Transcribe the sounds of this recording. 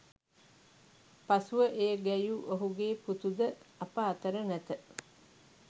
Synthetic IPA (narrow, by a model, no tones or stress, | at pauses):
pasuʋəʔejəɡæjuʔoɦuɡeːput̪ud̪əɐpəat̪əɾənæt̪ə